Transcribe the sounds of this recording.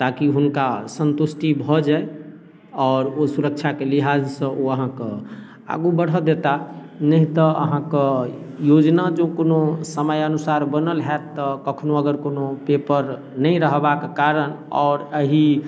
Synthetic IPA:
t̪akiɦunkasənt̪usʈibʱɔd͡ʒae | ɔːɾosuɾək̚t͡ʃʰakeliɦad͡ʒsə̃ʔoəɦãke | a̰ɡubəɽ̤əd̪et̪a | nəɦĩt̪ɔə̰ɦãke | jod͡ʒnad͡ʒokonosəməjənusaɾbənəlɦɛt̪ːəkəkʰnoəɡəɾkonopepəɾ | nəĩɾəɦbakekaɾənɔ̰ːɾəɦi

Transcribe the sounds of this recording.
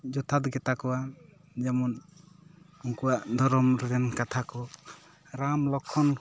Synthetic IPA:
d͡ʒɔt̪ʰat̪ɡɛt̪akɔwa | d͡ʒɛmɔn | uŋkuwaʔd̪ʱɔɾɔmɾɛɾɛnkat̪ʰakɔ | ɾamlɔkʰːɔn

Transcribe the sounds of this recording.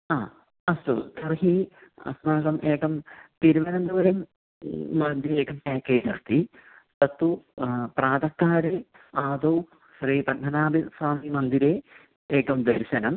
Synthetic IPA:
aː | ɐst̪ut̪ɐrɦiɐ̰smaːɡɐmʔeːkɐmt̪iɾuʋɐnɐnd̪uʋɐɾɐmː | ɐnd̪iɾeːkɐmpaːkːeːd͡ʑɐrt̪i | t̪ɐt̪ːupraːd̪ɐkːaːɾɨ | aːd̪ow | ɕriːpɐnʰɐnaːbisʋaːmimɐnd̪iɾe | eːkːɐmd̪ɐɾɕɐnɐm

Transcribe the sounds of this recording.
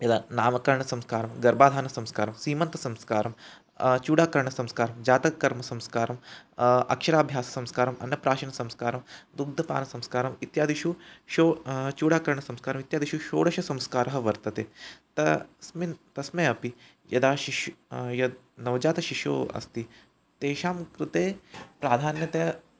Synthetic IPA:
jɐd̪aːnaːmɐkɐɾɳɐsɐmskaːɾɐmɡɐɾbaːd̪ʱaːnɐsɐmskaːɾɐmsiːmɐnt̪ɐ̥sɐmskaːɾɐm | t͡ʃuːɽaːkɐɾɳɐsɐmskaːɾɐmd͡ʒaːt̪ɐkːɐɾmɐsɐmskaːɾɐmɐ̰kʃɐɾaːbʱjaːsɐ̥sɐmskaːɾɐmɐ̰nːɐpɾaːʃɐnɐsɐmskaːɾɐmd̪uɡd̪ʱɐpa̰ːnɐsɐmskaːɾɐmit̪jaːd̪iʃuʃoːt͡ʃuːɽaːkɐɾɳɐsɐmskaːɾɐmit̪jaːd̪iʃuʃo̰ːɽɐʃɐsɐmskaːɾɐɦɐʋɐɾt̪ɐt̪eːt̪ɐsmit̪ɐsmeːɐpi | jɐd̪aːʃiʃujɐd̪ | nɐʋd͡ʒaːt̪ɐʃiʂo̰ːɐ̰st̪iː | t̪eːʃaːmkɾɨt̪eːpɾaːd̪ʱaːnjɐt̪e

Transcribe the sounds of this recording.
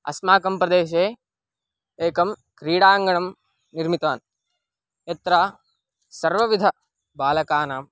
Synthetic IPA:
ɐ̰smaːkɐmpɾɐd̪eːʃ̬eː | eːkɐmkɾiːɽaːŋɡɐɳɐm | niɾmit̪ʋaːn | et̪ɾaː | sɐɾʋɐʋid̪ʱɐ | baːlɐkaːnaːm

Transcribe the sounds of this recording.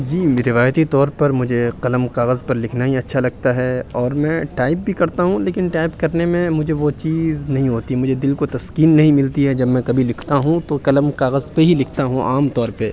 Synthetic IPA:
d͡ʒiːɾɪʋaːjt̪it̪ɔːɾpɐɾmʊd͡ʒʱeqɐləmkaːɣəzpɐɾlɪkʰnaɦiɐtːʃʰalɐɡ̚t̪aɦɛɔːɾmɛ̃ːʈaːɪp̚bʱikɐɾt̪aɦũleːkɪnʈaːɪpkɐɾnemẽmʊd͡ʒʱeʋot͡ʃiːznɐɦĩɦoːt̪iɛmʊd͡ʒʱed̪ɪlkot̪ɐskiːnːɐɦĩmɪlt̪iɦɛd͡ʒɐbmɛ̃kɐbʱilɪkʰt̪aɦũt̪okɐləmkaːɣəzpeɦilɪkʰt̪aɦũʔaːmt̪ɔːɾpe

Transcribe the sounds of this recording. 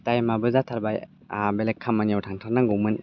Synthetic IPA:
tajmabɯzatʰaɾbaj | belekʰːamaniawtʰaŋtʰaɾnaŋɡuwmɯn

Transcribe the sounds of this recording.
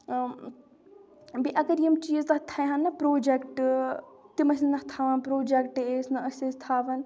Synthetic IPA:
biʔɐɡɐɾijɐmt͡ʃiəzt̪ɐt̪ʰɐjɦanːɐpɾoːd͡ʒekʈ | t̪imɐs̬innɐht̪ʰaːʋɐnpɾoːd͡ʒekʈeːsnɐɐsʲezt̪ʰaːʋɐn

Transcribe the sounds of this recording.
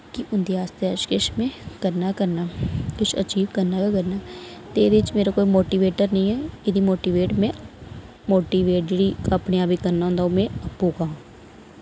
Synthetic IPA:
kɪʔʊnd̪iːaːst̪eət͡ʃkɪʃmẽːkəɾnaːkəɾnaːkɪt͡ʃʰə̰t͡ʃiːʋkəɾnaːkakəɾnaːt̪ed̪ɪt͡ʃmeːɾaːkoːimoːʈiːʋeːʈəɾnəĩːɛːɪd̪iːmoːʈiːʋeːʈmɛ̃ː | moːʈiːʋeːʈɾiːəpneːaːbiːkəɾnaːɦʊ̃ːnd̪aɦomɛ̃ːəpːuːkaõː

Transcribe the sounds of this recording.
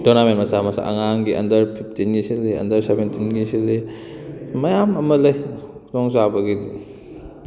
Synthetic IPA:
donamenmɐsamɐsa̰ʔɐ̰ŋaŋɡiʔɐ̰ndɐɾpʰip̚ʰtinɡisilːiɐ̰ndɐɾsebentinɡisilːi | mɐjamɐmɐlɐjkʰutɔŋzabɐɡii

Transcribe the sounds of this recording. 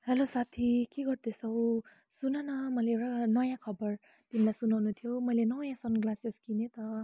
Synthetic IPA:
helosat̪ʰikeɡʌrd̪ʱesʌw | sunanʌmʌleewʈanʌjãkʰʌbʌr | t̪imilajsunawnut̪ʰjomʌjlenʌjãsʌnɡlaseskinet̪ʌ

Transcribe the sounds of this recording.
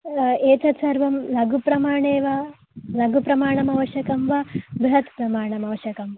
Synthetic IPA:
eːt͡ʃɐsɐɾʋɐmlɐɡupɾɐmaːɳeːʋɐ | lɐɡupɾɐmaːɳɐmɐʋɐʃjɐkɐmʋɐbɾɦɐt̪pɾɐmaːɳɐmɐʋɐʃjɐkɐmʋɐ

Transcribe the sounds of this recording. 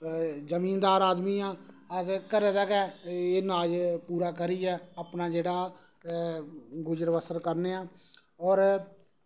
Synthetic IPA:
zəmiːnd̪aːɾaːd̪miːãː | əkəɾeːd̪aːkɛːeːnaːd͡ʒpuːɾaːkəɾiːɛːaːpnaːd͡ʒeːɽaː | ɡʊd͡ʒəɾʋəsəɾkəɾneːaː | ɔːɾ

